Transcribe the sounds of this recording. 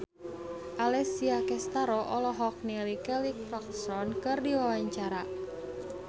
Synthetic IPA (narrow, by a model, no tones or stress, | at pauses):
ʔalɛsiakɛst̪aɾɔʔɔlɔɦɔk̚nelikɛlikrɔk̚sɔnkɨrdiwawaɲt͡ʃaɾa